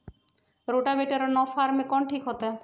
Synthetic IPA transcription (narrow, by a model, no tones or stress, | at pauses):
ɾoʈabeʈeɾɔnɔfaɾmekɔnʈʰikɦot̪e